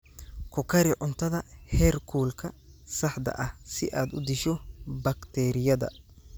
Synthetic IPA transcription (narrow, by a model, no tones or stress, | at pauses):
kʰɔkʰɐɾɪʕʊnt̪ʰɐðɐhɛːrkʰuːlkʰɐsɐħd̪ɐ̰ʔɐhsɪʔaːd̪ʊd̪ɪʃɔbɐkt̪ʰɛːɾɪjɐðɐ̰